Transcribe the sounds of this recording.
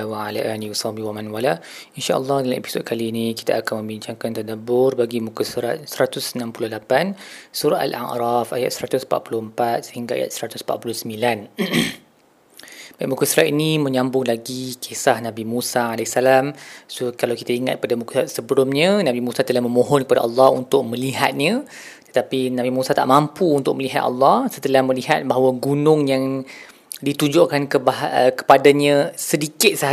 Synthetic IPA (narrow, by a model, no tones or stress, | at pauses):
waala̰ʔaniwisɑbiwamãnwala | inʃa̰ʔə̰lːɑhdalamʔḛpisɔt̪̚kʰaliːniki̥t̪aakanmə̃mbiɲt͡ʃaŋkant̪adabʊrbaɡimukasuɾa̰t̪̚səɾat̪ʊsənampulʊhlapansuɾata̰la̰ʔɾɑfaja̰t̪̚səɾat̪ʊsmpa̰ʔ̪pulʊhəmpat̪̚səhiŋɡaa̰ja̰t̪̚səɾat̪ʊ̥smpa̰ʔ̪̚pulʊhsəmbilan | bajʔmukasuɾat̪inimə̃ɲãmbʊŋlaɡikʰesahnabimusaalɛsalamsokalawkit̪aiŋa̰t̪̚padamuksəbəlʊmɲə̃nãbimusat̪əlahməmõɦɔnkəpada̰ʔɑlːɑhunt̪ʊk̚mə̃liɦa̰t̪̚ɲã | t̪ə̥t̪apinabimusat̪a̰ʔmampuːnt̪ʊk̚məliɦa̰t̪ɑ̰lːɑhsət̪əlahməliɦat̪̚baɦawəɡunʊŋjaŋ | dit̪uɲd͡ʒʊʔkankəbakə̥padaɲãsədikɪt̪̚sə